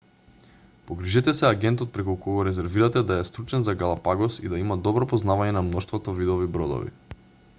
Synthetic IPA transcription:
poɡɾiʒɛt̪ɛsɛaɡɛnt̪ɔt̪̚pɾɛkukɔɡɔɾɛzɛɾviɾat̪ɛd̪aɛst̪ɾut͡ʃɛnzaɡalˠapaɡɔsid̪aimad̪ɔbɾɔpɔznavaɲɛnamnɔʃt̪vɔt̪ɔvid̪ɔvibɾɔd̪ɔ̰vḭ

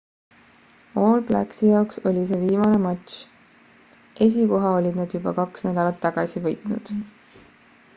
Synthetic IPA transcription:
o̞ːlblæ̰ksijɑokso̞lʲis̬e̞ːviːmɑne̞mɑt̪ʲɕ | ʔe̞s̬iko̞ɦɑo̞lʲid̪̥nɑd̪̥jubɑkɑksnæd̪̥ɑlɑt̪ːɑɡ̥ɑsivɤ̞jt̪nud̪̥

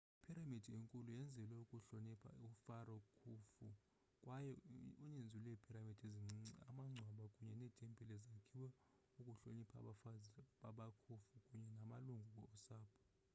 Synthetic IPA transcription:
ipʰiɾamid̥ʱieŋkʼulujɛnd͡zʱɛlwɛukʼuɬonipʰa̰ufarɔkʰufṵ | kʼwajɔuɲend͡zʱulɛipʰiɾamid̥ʱeza̰maŋ͡ǀʱwaɓakʼuɲɛnɛːtʼempʼilɛzakʰiwɛ | ukʼuɬonipʰa̰ɓafaɓakʰufukʼuɲɛnamaluŋɡʱuk̬ʼɔːsaːpʰʼɔ̥

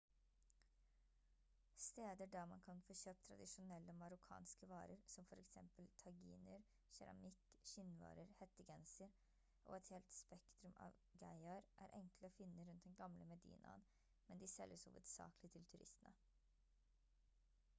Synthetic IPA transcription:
st̪eːd̪əɖæɾmɑnkʰɑnfoːçøːp̚t̪ʰɾɑ̰d̪ɪʂʊnɛlːəɔmɑɾʊkʰɑ̰ːnskəʋɑːɾəɾsɔmfɔɾɛksɛ̰mpəlt̪ʰɑɡḭːnəɾ | ɕɛ̰ɾɑ̰mɪkʃɪnːʋɑ̰ːɾəɾhɛt̪ːəɡɛnsəɾ | ʔo̰ːɛt̪heːlt̪spɛkt̪ɾʉmɑ̰ʋɡæɪɑɾʔæ̰ːɾʔɛŋkləɔːfɪnːəɾʉnt̪̚d̪ɛnɡɑmləmɛd̪ḭːnʔɑ̰ən | mɛnd̪ɪsɛlːəshṵʋəd̪sɑ̰ːkəlɪt̪ʰɪlt̪ʰʉɾɪ̰st̪ənə

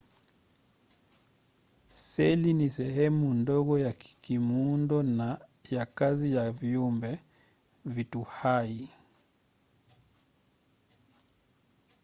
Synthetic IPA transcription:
sɛlinisɛhɛmundɔɣɔjakkimundɔnajakazijavjɔmbɛ | vituhai

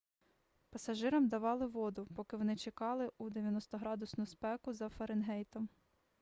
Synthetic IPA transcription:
pɐsɐʒɪɾɐmd̪ɐʋɑlˠɪʋɔd̪ʊpɔkɪʋɔnɪt͡ʃekɑlˠɪʔud̪eʋjɐnɔst̪ɔɦɾɑd̪ʊsnʊspɛkʊzɐfɐɾenɦɛjt̪ɔm

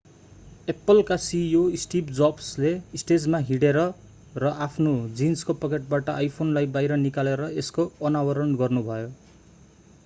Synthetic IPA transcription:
epːʌlkasioisʈipd͡zʌbsleisʈed͡zmaɦiɽeɾʌ | rʌʔapʰnod͡zinskopʌkeʈ̚baʈʌʔajpʰonlajbajɾʌnikaleɾʌeskoʌnawʌɾʌnɡʌrnubʱʌjo

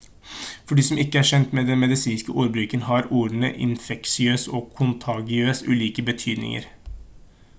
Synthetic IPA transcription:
fɔɖiːsɔmɪkːəæʂɛnt̪mɛːd̪ɛnmɛd̪ɪsiːnskəʔuːɾbɾʉːkənɦɑɾuːɾnə̰ʔɪ̰nfɛksɪøːsɔkʰʊnt̪ʰɑːɡɪøːsʉ̰ːliːkəbət̪ʰyːd̪nɪ̰ŋə̰ɾ

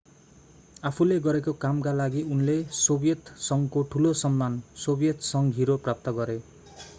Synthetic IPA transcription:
apʰuleɡʌɾekokamkalaɡiunlesobjʌt̪sʌŋkoʈʰulosʌmːansobjʌt̪sʌŋɦiɾoprap̚t̪ʌɡʌɾe

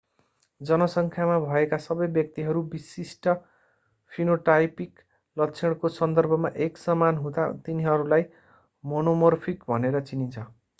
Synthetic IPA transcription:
d͡zʌnʌsʌŋkʰjamabʱʌekasʌbʌjbjʌk̚t̪iɦʌɾubisisʈʌ | pʰinoʈajpik | lʌt͡sʰeɽ̃kosʌnd̪ʌrbʱʌmaʔeksʌmanɦũd̪a̰t̪iniɦʌɾulaj | monomʌrpʰikbʱʌneɾʌt͡sinint͡sʰʌ

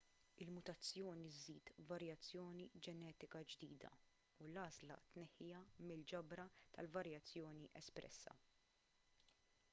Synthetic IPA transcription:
ɪlmʊt̪ɐt͡sːjɔːniziːt̪vɐɾjɐt͡sːjɔːnid͡ʒɛnɛːt̪ɪkɐd͡ʒd̪iːd̪ɐ̰ | ulɐːzlɐ̰t̪nɛħːɪjɐmɪld͡ʒɐbɾɐt̪ɐlvɐɾjɐt͡sːjɔːniʔɛspɾɛ̰sːɐ̰

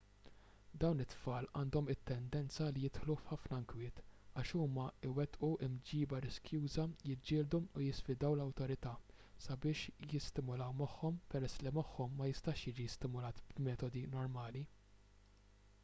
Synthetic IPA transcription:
d̪ɐwnɪt̪ːfɐːlɐːnd̪ɔmɪt̪ːɛnd̪ɛnt͡sɐlijɪt̪ħlufħɐfnɐɪŋkwɪːt̪ɐːʃuːmɐɪwɛt̪ʔuʔɪmd͡ʒiːbɐɾɪskjuːzɐjɪd͡ʒːɪːld̪uʊjɪsfɪd̪ɐwlɐwt̪ɔɾɪt̪ɐː | sɐbɪːʃjɪst̪ɪmʊlɐwmɐħːɔmpɛɾɛsːlimɐħːɔmːɐjɪst̪ɐːʃjiːd͡ʒist̪ɪmʊlɐːt̪b̥mɛːt̪ɔd̪inɔɾmɐːli

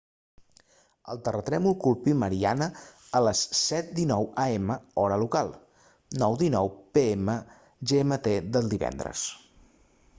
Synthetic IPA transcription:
ə̰lˠt̪ərət̪ɾɛmulˠkulˠpiməɾianəələsːɛt̪̚d̪inɔwaeməɔɾəlukalˠ | nɔwðinɔwpeemə | ʒemət̪eðəlˠd̪iβɛ̰nd̪ɾə̰s

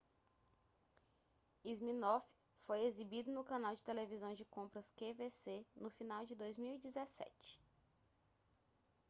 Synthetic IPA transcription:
izmĩnof | fojezibid̪ʊnʊkɐ̃nawd͡ʒɪt̪elevizɐ̃w̃d͡ʒɪkõmpɾɐskevesenʊfinawd͡ʒɪd̪ojzmiwid͡ʒizesɛ̰t͡ʃɪ̥

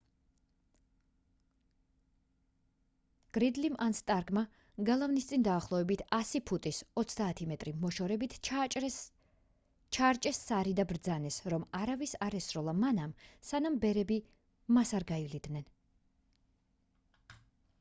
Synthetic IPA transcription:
ɡ̥ɾid̪limʔanst̪ʼaɾɡma | ɡalˠavnist̪sʼind̪aːχlˠɔɛbit̪ʰasipʰut̪ʼisɔt̪sʰd̪aːt̪ʰimɛt̪ʼɾimɔʃɔɾɛbit̪ʰ | t͡ʃʰaːɾt͡ʃʼɛsːaɾid̪abɾd̪zanɛsɾɔmaɾavisaɾɛsɾɔlˠamanamsanambɛɾɛbi | masaɾɡaivlid̪nɛn

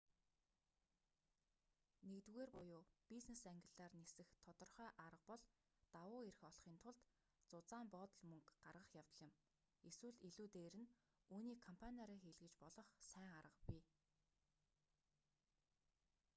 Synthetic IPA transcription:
nekt̪uɣeːrpʊjʊːpiznesæŋɡʲɪ̆ɮaːrnesɘ̆xt̪ʰɔt̪ɞ̆rχœːʔaɾə̆q̚pɔɮ | t̪awʊːeɾɘ̆xɔɮχiːnt̪ʰʊɮt̪ | t͡sʊt͡saːmpɔːt̪ɞ̆ɮmɵŋkɢarʁə̆χjaw̥t̪ə̆ɮɪ̆m | eswɘ̆ɮeɮuːt̪eːɾɘ̆n | uːniːkʰɔmpʰanʲiaɾiːxeːɮɣɘ̆t͡ɕpɔɮɞ̆χsæːŋaɾə̆qpi

